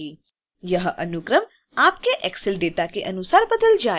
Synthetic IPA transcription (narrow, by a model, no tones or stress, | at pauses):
i | jəɦəʔənukɾəm | aːp̚keʔɛksɪlɖeːt̪akeʔənusaːɾbəd̪əld͡ʒa